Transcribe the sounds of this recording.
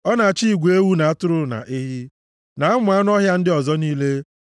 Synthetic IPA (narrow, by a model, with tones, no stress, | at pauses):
ɔ˦na˨t͡ʃi˦i˨ɡʷe˦wu˦na˨a˦tʊ˦ɾʊ˦na̰˨ʔi˦ɦi˦ | na˨a˦mʊ˨˦a˦nʊ˦ɔ˦ɦja˦n̩˦dɪ˦ɔ˨zɔ˦niː˦le˦